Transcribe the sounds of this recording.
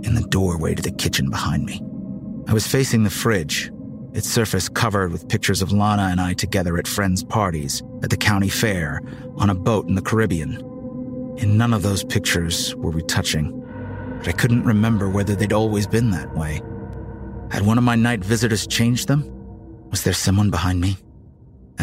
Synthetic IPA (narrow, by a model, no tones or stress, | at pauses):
ɨ̃nðɨdɔɹwḛɪɾɨðɨkʰɪt͡ʃɨ̃n̩bəhãɪ̃ndmiaɪwʌz̥feɪsɪ̃ŋðɨfɹɪd͡ʒ | ɨtsɜ˞fɨskʰʌvə˞d̚wɨð̥pʰɪk̚t͡ʃə˞zʌvlɑɾ̃əɨ̃ñaɪtʰɨɡɛðə˞ɨtfɹɛ̃ndz̥pʰɑɹɾḭz̥ | ɨt̪̚ðɨkʰãʊ̃ɾ̃ifɛɹ | ʔə̃ñəboʊɾn̩ðɨkʰə˞ɪbiɨ̃n | ɨ̃nːʌ̃nʌvðoʊz̥pʰɪk̚t͡ʃə˞z̥wə˞witʰʌt͡ʃɪ̃ŋ | b̥ʌɾaɪkʰʊdⁿn̩ʔɹɨmɛ̃mbə˞wɛðə˞ðeɪɾɔlˠwizbɨ̃nðɨ̰ʔ̚weɪ | ɨ̰d̚wʌ̃nʌvmaɪnaɪtvɪzɨɾə˞z̥t͡ʃʰẽɪ̃nd͡ʒðə̃mwʌzðə˞sʌ̃mwʌ̃nbəhãɪ̃nmi